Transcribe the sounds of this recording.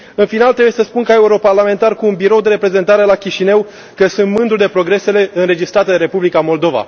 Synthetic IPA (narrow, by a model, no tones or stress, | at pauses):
ɨnfinalt̪ɾe̞bujesəspunkae̞uɾo̞parlame̞nt̪arkuːnbiɾo̞wd̪e̞ɾe̞pɾe̞ze̞nt̪aɾe̞lakʲiʃine̞w | kəsunt̪mɨnd̪ud̪epɾo̞ɡɾe̞se̞le̞ɨnɾe̞d͡ʒist̪ɾat̪ed̪eɾe̞publikamo̞ld̪o̞va̰